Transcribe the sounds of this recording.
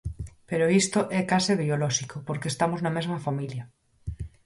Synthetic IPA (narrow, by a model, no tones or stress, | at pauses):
peɾoist̪oʔɛkaseβioloʃikopoɾkest̪amoznamezmafamilja